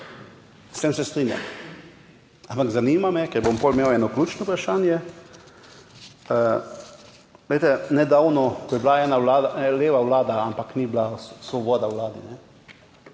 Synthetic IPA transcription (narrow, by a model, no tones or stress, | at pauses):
st̪eːmsɛst̪ɾiːnja̰m | ampaɡzaniːmamɛkɛɾbompolmeːwɛːnɔkluːt͡ʃnɔupɾaʃaːnjɛ | ə | lejt̪ɛnɛd̪awnɔkɔjɛblaɛːnawlaːd̪aɛleːʋawlaːd̪aampakniblasʋɔbɔːd̪awlaːd̪inɛ